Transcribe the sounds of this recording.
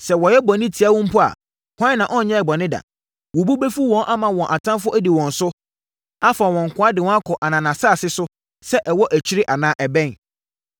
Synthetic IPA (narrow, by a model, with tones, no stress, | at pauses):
sɛ˨wɔ˨jɛ˦bɔ˨nɪ̃˦tʰi˨a˦wʊ̃˦m̩˦pʰʊ˦a̰˨ | kʷã˦nːã˨ʔɔ̃˦n̩˨ɲɛ̃˦ɛ˨bɔ˨nɪ̃˦da̰˨ | wɔ˨bu˦be˦fu˦wɔ̃˦nʔa˦mã˨wɔ̃˨ʔa˨tʰã˦mfʊ˦æ˦di˨wɔ̃˨n̩˨sʊ˦ | a˦fa˨wɔ̃˨ŋ̩˨kʰʷʊ̃˦a˦dɪ˨wɔ̃˦a˦kʰɔ˨ʔa˨nã˨nã˨saː˦˨sɪ˦sʊ˦ | sɛ˦ʔɛ˨wɔ˦ʔæ˨t͡ɕʰi˦ɾi˦ʔa˨nã˨˦ʔɛ˨bɛ̃˦n